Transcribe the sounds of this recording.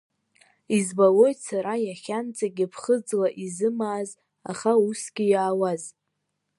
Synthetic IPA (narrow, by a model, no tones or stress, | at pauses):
izbalo̞jtsaɾajaχʲant͡sʼaɡʲɪpʰχəd͡zlaʔizɨmaːz | a̰χausɡ̥ʲijaːwaz